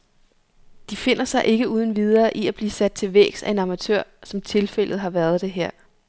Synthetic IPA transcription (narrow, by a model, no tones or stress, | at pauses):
d̥ife̝n̰ɐsɑ̈ɪʔe̝ɡ̥əuːð̞ˠn̩ʋið̞ˠɐːʔiæb̥liːsæd̥̚t͡sʰe̝lʋḛːɡ̥sæe̝nɑ̈mæt͡sʰøɐ̰sɒ̽mt͡sʰe̝lfel̰ð̞̩ˠɦɑ̈ʋæɐð̞ˠd̥e̝ɦeɐ̰